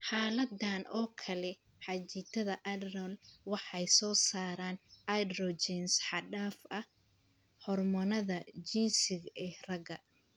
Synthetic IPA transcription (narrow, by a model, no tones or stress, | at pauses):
ħaːlɐd̪aːnɔːkʰɐlɛ | ħɑt͡ʃit̪ʰɐðɐʔɐdrɔlwɑħɑjsɔːsaːɾaːnʔad̪rɔt͡ʃɛnsħɑɖaːfɐ | ħɔrmɐnɐðɐd͡ʒiːnsɪɣɛːrɐɡɐ